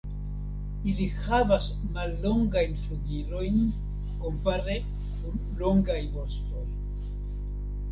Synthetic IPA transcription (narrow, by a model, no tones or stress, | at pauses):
ilihavas | malːo̞ŋɡajnfluɡilo̞jn | ko̞mpaɾe̞ | kun | lo̞ŋɡajbo̞sto̞j